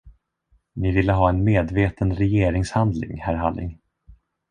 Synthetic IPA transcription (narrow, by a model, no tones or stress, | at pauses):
nɪvɪlːəɦɑːɛnmeːd̪veːt̪ənɾɛjeːɾɪŋshand̪lɪ̰ŋhæɾɦalːɪ̰ŋ